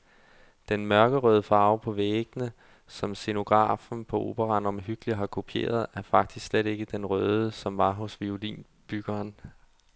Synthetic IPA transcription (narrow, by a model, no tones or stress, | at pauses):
d̥enmɶɐɡ̥əʁœːð̞ˠəfɑ̈ʊpʰɒ̽ʋeːɡ̥ənə | sɒ̽mse̝no̝ɡ̥ʁɑ̰̈ːfn̩pʰɒ̽ʔo̝̰b̥əʁɑ̈nɒ̽mɦyɡ̥əliɦɑ̈kʰo̝pʰie̝̰ːɐðˠæɐfɑ̈ɡ̥̚d̥isksleɾ̥e̝ɡ̥əd̥enʁœːð̞ˠəsɒ̽mʋɑ̈ɦosʋiolḭːn | b̥yɡ̥ɐːn